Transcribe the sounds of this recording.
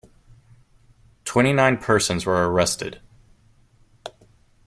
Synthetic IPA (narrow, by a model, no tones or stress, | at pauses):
tʰw̥ɛ̃ɾ̃inãɪ̃npʰɜ˞sə̃nzwə˞ə˞ɛstɨ̰d̥